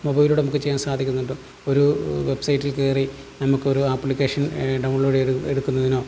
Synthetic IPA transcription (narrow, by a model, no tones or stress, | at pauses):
mobɐjiluːɽenɐmukːɨt͡ɕejːaːnsaːd̪ʱikʲːunːuɳɖɨ | o̞ɾuʋe̞bsɐjitːilkeːri | nɐmukːɨoɾuaːpːlikʲːe̞ːʂɐnɖɐwɳloːɖeɽukːunːɐðino̞ː